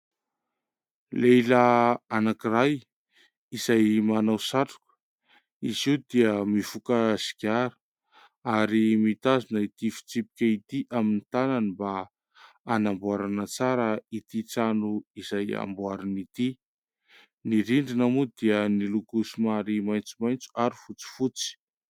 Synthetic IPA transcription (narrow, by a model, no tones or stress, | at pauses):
lejlaanakiraj | izajmanawsaʈ͡ʂu̥ku̥ | izid̪iəmifukaz̥i̥kʲaɾə̥ | aɾimit̪azunəit̪ifi̥t͡sipi̥kʲəit̪iʔaminit̪ananiba | anambuaɾanət͡saɾəit̪it͡sanuizaja̰mbuaɾanit̪i | niɾiɳɖ͡ʐinamud̪iənilukusimaɾimajnt͡sumajnt͡su̥aɾifut͡si̥fut͡si̥